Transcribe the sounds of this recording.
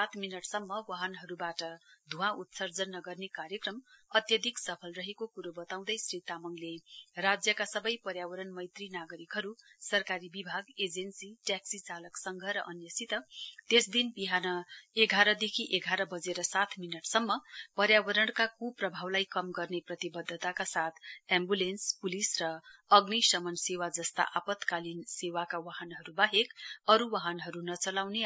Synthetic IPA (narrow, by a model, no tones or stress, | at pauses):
sat̪ʰminʌʈsʌmːʌwaɦʌnɦʌɾubaʈʌd̪ʱũãut̪sʌrd͡zʌnːʌɡʌrnekaɾjʌkrʌmʌt̪jʌd̪ʱiksʌpʰʌlrʌɦekokuɾobʌt̪aw̃d̪ʌjsrit̪amʌŋlerad͡zjʌkasʌbʌjpʌɾjawʌɾʌɳmʌjt̪rinaɡʌɾikɦʌɾusʌrkaɾibibʱaɡed͡zensiʈjaksit͡salʌksʌŋɡʱʌɾʌʔʌnjʌsit̪ʌt̪esd̪inbiɦanʌeɡʱaɾʌd̪ekʰiʔeɡʱaɾʌbʌd͡zeɾʌsat̪ʰminʌʈsʌmːʌpʌɾjabʌɾʌɽkakuprʌbʱawlajkʌmɡʌrneprʌt̪ibʌd̪ʱːʌt̪akasat̪ʰɛmbulenspulisrʌʌɡnisʌmʌnsewad͡zʌst̪a̰ʔapʌt̪kalinsewakawaɦʌnɦʌɾubaɦekʌɾuwaɦʌnɦʌɾunʌt͡sʌlawne